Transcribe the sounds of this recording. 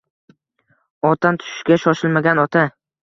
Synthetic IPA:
ɒt̪ʰamt̪ʰʊ̥ʃɪ̥ʃkʲaʃɒʃɪlmaɡʲanɒt̪ʰa

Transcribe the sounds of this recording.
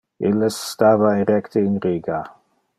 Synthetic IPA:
ilːesːt̪aːvaiɾɛkt̪einɾiːɡa

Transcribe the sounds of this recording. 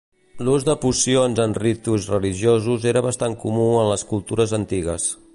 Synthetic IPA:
luzd̪əpusionzənrit̪uzrəliʒiozuzeɾəβəst̪aŋkumuənləskulˠt̪uɾəzənt̪iɣəs

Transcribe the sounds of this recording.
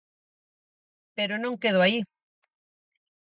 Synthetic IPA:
peɾonõŋkeðoai

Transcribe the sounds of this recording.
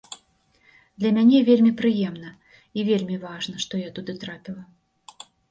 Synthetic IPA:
d̪lʲɐmʲanʲɛvʲelʲmʲipɾɨjɛmn̪ɐ | ivʲelʲmʲivaʐnɐʂt̪ɔjat̪ud̪ɨt̪ɾapʲilˠɐ

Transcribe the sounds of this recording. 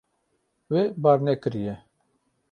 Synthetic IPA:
webaːɾnɛkɨɾijɛ

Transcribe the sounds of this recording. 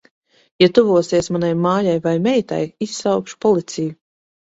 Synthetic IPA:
jat̪uvuɔsiɛsmanajmaːjajvajmɛjt̪a̰jisːawkʃu̥pɔlˠit̪sʲiju

